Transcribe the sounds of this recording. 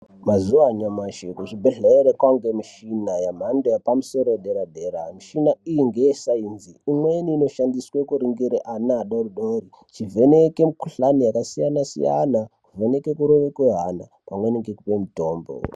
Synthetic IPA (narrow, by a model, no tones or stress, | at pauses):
mazuʋaɲamaʃekut͡ʃibʱeɮeeɾekwaŋɡemiʃinajam̤andojapamuso̞ɾoeɗeɾadʱeɾamiʃinaijiŋɡejesainziimweniːno̞ʃandiswekuɾiŋɡiɾeʔanaɗoruɗoːɾi | t͡ʃivʱe̞neke̞mikuɬanijakasijanasḭja̰nakuvʱe̞ne̞ke̞kuɾoʋekweɦana̰ | pamweneŋɡekupemitoːmbo̰